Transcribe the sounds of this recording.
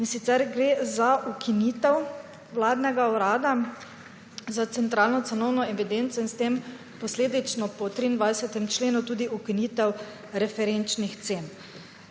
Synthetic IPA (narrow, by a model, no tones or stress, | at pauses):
insit̪sɛɾɡɾezaukʰinit̪ɛw | ʋlaːd̪nɛɡauɾaːd̪a | zat̪sɛnt̪ɾaːlnɔt̪sɛnɔwnɔɛʋid̪ent̪sɔinst̪em | pɔsleːd̪it͡ʃnɔpɔt̪ɾiːnd̪ʋajsɛt̪ɛmt͡ʃleːnut̪uːd̪iukinit̪ɛw | ɾɛfɛɾent͡ʃnixt̪seːn